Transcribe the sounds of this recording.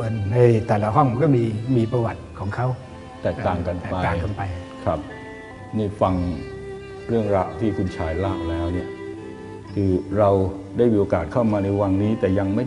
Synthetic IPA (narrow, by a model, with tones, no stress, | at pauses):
o˧ənːa˧jt̪ɛː˨˩la˧˩ɦɔ˥˩ŋkɔː˥˩miː˧miː˧pɾa˧wa˨˩t̪̚kʰɔː˩˦ŋkʰa˦˥w | t̪ɛː˨˩k̚t̪aː˨˩ŋka˧n˩pa˧aː˨ŋka˧npa˧jkʰɾa˦˥p̚ | niː˥˩fa˧ŋ | ɾɯ˥˩əŋɾa˧wt̪ʰiː˥˩kʰu˧nt͡ɕʰaː˧jlaː˥˩k̚lɛː˦˥wni˥˩ə | kʰɯː˧ɾa˧wdaː˥˩jmiː˧ʔo˧kaː˨˩t̪̚kʰa˥˩wmaː˧na˧jwa˧ŋniː˦˥t̪ɛː˨˩ja˧ŋma˥˩